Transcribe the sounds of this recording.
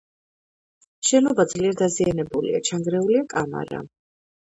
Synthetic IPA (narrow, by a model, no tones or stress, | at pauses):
ʃɛnɔbad̪zliɛɾd̪azianɛbulḭa̰t͡ʃʰaŋɡɾɛuliakʼama̰ɾa̰